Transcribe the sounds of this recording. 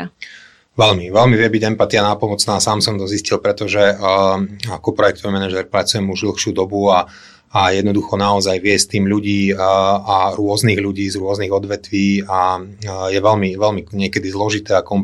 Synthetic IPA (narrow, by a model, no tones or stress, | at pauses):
ʋɛlmiʋɛlmiʋɪɛbiɟɛmpat̪ianaːpɔmɔt͡snaːsaːmsɔmt̪ɔziscilpɾɛt̪ɔʒɛ | akɔpɾɔjɛkt̪ɔʋɛmɛnaʒɛɾpɾat͡sujɛmuʒd̪l̩ˠxʃɪuːd̪ɔbua | ajɛd̪nɔd̪uxɔnaɔzajʋɪɛst̪iːmʎuɟiːaɾʊɔzniːɣʎuɟiːzɾʊɔzniɣɔd̪ʋɛt̪ʋiːajɛʋɛʎmiʋɛlmiɲɪɛkɛd̪izlɔʒit̪ɛːakɔm